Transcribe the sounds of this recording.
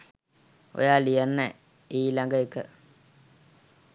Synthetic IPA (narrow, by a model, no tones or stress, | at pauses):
o̰jaːlijanːə | iːlaŋɡəekə